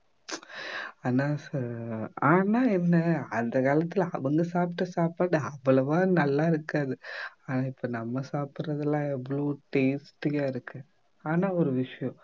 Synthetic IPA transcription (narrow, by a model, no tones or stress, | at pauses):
aːnaːsɾaːnaːɛnːɐɐnd̪ɐkaːlɐt̪ːɪlɐ̰ʋɐŋɡɐsaːpʈːɐsaːpaːɽɯɐʋːɐɭɐʋaːnɐlːaːɪɾɯkːaːðɯaːnaːɪpːonɐmːɐsaːpɪɾɐðɐlãːɛʋːɐɭoːʈeːsʈɪjaːɪɾɯkːɯ | aːnaːɔɾɯʋɪʂɐjɔ̃